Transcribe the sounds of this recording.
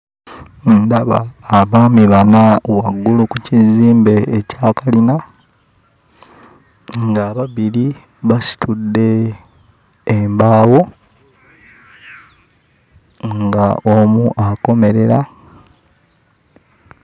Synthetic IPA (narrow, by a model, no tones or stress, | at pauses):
ndaβa̰ːβaːmiβanawaɡːulukuciziːmbe̞ːcaːkalina | ŋɡaːβaβiɾi | βasi̥tudːe̞ | mbaːwo̞ | ŋɡaomuʔako̞me̞ɾe̞ɾa